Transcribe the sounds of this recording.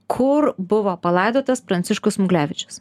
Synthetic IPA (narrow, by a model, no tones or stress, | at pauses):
kʰʊɾbʊʋoːpɐlˠɐɪd̪oːt̪ɐspɾɐnt̪sʲɪʃkʊsmʊɡlʲæːʋʲɪt͡ʃʲʊ̥s